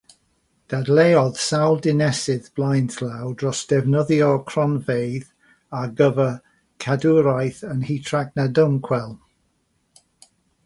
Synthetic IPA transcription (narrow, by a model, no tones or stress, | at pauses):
d̥adlˠeːɔð̥sawlˠdɪnɛsɪðb̥lˠajntʰlˠawdrɔsd̥ɛvnəðjɔkʰr̥ɔnvejð | aɡəvə | kʰaduɾajθənhitʰraɡnadəmkʰwɛlˠ